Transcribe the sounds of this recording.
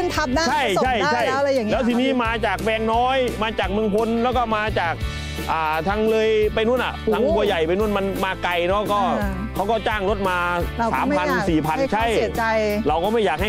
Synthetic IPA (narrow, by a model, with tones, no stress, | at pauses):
nt̪ʰa˦˧mna˥t͡ɕʰa˥˩jt͡ɕʰa˥˩jʰa˥˩ja˧ja˨˦lɛː˦˥wt̪ʰiː˧niː˦˥˩maː˧t͡ɕaː˨˩k̚bɛː˧ŋnɔː˦˥jmaː˧t͡ɕaː˨˩k̚mɯ˧əŋpʰo˧nlɛː˦˥wkɔː˥˩maː˧t͡ɕaː˨˩k̚ | ʔaː˨˩t̪ʰa˦˧˥ŋlɤː˧jpa˧jnu˥˩ənʔa̰˨˩t̪ʰa˦˥ŋku˧ɐja˨˩jpa˧jnu˥˩ənma˧nmaː˧ka˧jnɔ˦˥kɔː˥˩˥ | kʰa˦˥˩wkɔː˥˩t͡ɕaː˥˩ŋɾo˦˥t̪̚maː˧sa̰ː˨˦m˧pʰa˧n˧siː˨˩pʰa˧nt͡ɕʰa˥˧˥j̚a˧jɾa˧wkɔː˥˩ma˥˩jaː˨˩k̚ha˥˩